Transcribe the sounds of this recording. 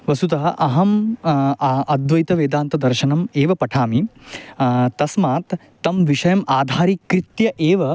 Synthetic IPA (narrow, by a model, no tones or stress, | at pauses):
ʋɐsut̪ɐɦɐʔɐɦɐm | ɐd̪ʋɐjt̪ɐʋeːd̪aːnt̪ɐd̪ɐɾʃɐnɐmeːʋɐpɐʈʰaːmi | t̪ɐsmaːt̪ː | ɐmʋiʂɐjɐmaːd̪ʱaːɾikɾit̪jɐʔeːʋɐ